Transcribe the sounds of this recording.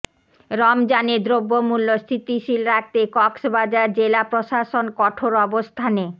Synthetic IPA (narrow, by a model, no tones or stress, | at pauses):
ɾɔmd͡ʑaned̪ɾobːomulːosɾit̪iʃilɾak̚t̪ekɔksbad͡ʑaɾd͡ʑelapɾoʃaʃonkɔʈʰoɾɔbost̪ʰane